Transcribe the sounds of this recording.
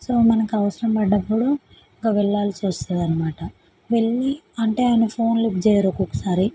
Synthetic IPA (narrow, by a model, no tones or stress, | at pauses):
soːmɐnɐkiɐʋɐsɐɾɐmpɐɖːɐpːuɽu | iŋkɐʋɛɭːaːlit͡ʃuʋɐst̪ud̪ɐnɐmaːʈɐ | ʋe̞ɭːiɐɳʈe̞ːaːjɐnɐpʰo̞ːnlip̚d͡ʒɛːjaɾokokɐ̥saːɾi